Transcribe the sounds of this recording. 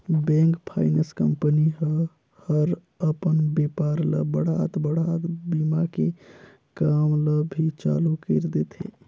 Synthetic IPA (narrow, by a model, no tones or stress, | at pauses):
bẽŋkpʰaɪnəskəmpəniɦə | həɾ | əpənbepaɾlə̰bəɽ̤at̪bəɽ̤at̪bimake | kamləbʱit͡ʃa̰lukəɾd̪et̪ɦḛ